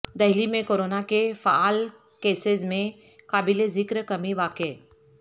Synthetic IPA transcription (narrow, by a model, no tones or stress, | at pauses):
d̪ɐɦlimẽkoːɾoːnakefaaːl | keːsɪzmẽ | kaːbilezɪkɾkɐmiʋaːke